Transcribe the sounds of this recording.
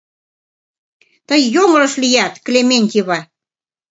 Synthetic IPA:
t̪əjːoŋ̆lɤ̆ʃlijæt̪klʲemenʲt̪ʲiβɑ

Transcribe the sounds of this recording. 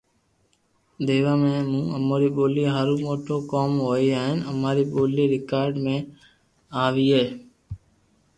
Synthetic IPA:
d̪eːʋaːmẽːmũːəmoːɾiːɓoːliːɦəɾũːmoːʈʰoːkoːmɦoːiːaːɦɪnəmaːɾiːɓoːliːɾɪkaːɾɖmẽː | aːʋiːɦeː

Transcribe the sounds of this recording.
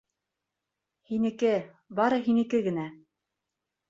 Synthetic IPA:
hinɘ̆kɘ | bɑɾɤɦinɘ̆kɘɡɘ̆næ

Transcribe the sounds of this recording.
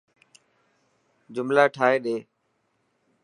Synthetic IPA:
d͡ʒʊmlaːʈʰaːɦeːɗeː

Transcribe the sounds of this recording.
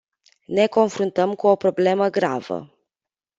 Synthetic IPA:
ne̞ko̞nfɾunt̪əmkuopɾo̞ble̞məɡɾa̰və̰

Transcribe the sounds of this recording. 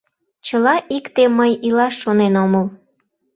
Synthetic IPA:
t͡ɕəlɑʔikt̪emːəjilɑʃːonenoməl

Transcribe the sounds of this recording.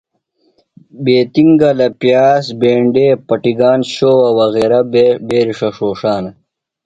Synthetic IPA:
beːt̪iŋɡɐlɐpjaːsbeːɳɖeːpɐʈiɡaːnɕoːwɐwɐɣeːɾɐbeːɾiʂɐʂoːʂaːnɐ

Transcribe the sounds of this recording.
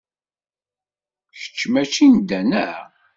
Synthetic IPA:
çə̥t͡ʃːmæt͡ʃind̪ænæ

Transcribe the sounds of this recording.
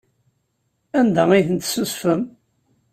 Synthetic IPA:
ænd̪æiθənt̪susfəm

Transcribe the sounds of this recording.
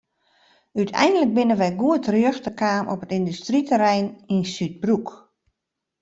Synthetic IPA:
ytʰɛ̰jndələk̚bɪnənʋɛjɡuətrøəxtəkaːmʔɔpətindystritəɾɛjninsyt̚bruk

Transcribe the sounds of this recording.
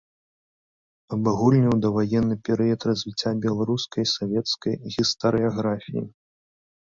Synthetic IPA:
ɐbaɣulʲnʲiwd̪ɐvajɛnːɨpʲɛɾɨjɐt̪rɐzʲvʲit͡sʲːabʲɛlˠaɾuskɐjsavʲɛt̪skɐjɣʲist̪ɐɾɨaɣɾafʲḭjḭ

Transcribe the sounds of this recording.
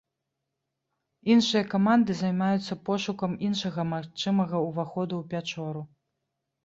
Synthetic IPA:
inʂɨjɐkamand̪ɨzajmajut̪sːɐpɔʂukɐminʂɐɣɐmaxt͡ʂɨmɐɣɐuvaxɔd̪uwpʲat͡ʂɔɾu

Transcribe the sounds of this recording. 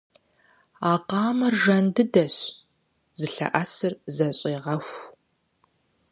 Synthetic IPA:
aːqɑːmɐrʒɐndɨdɐɕ | zɨɬɐ̰ʔɐsɨrzɐɕʼiːʁɐxʷ

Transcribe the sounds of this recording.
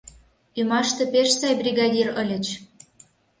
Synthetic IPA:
ymɑʃt̪ĕpeʃsɑjbrʲiɣɑdʲirɤ̆lʲə̆t͡ɕ

